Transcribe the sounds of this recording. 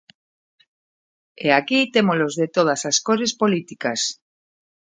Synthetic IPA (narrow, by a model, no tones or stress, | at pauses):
eakit̪emolozðet̪oð̞asaskoɾespo̞lit̪ikas